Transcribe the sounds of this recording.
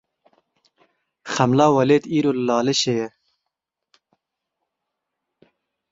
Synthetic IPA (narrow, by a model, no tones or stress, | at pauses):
χɐmlɑːwɐleːt̪iːɾollɑːleɕeje